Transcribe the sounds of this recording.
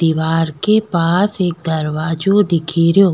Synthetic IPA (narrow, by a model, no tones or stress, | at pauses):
iːʋaːɾkepaːseːk̚d̪ɐɾʋaːd͡ʒod̪ɪkʰiːɾjoː